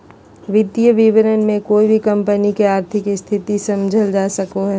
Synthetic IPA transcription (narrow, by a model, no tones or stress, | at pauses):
ʋɪd̪jəʋɪʋɪɾənmẽkoːibʱikɐ̃mpənikeaːɾt̪ʰɪkst̪ʰɪt̪isɐmd͡ʒʱəld͡ʒaːsɐkoɦɛː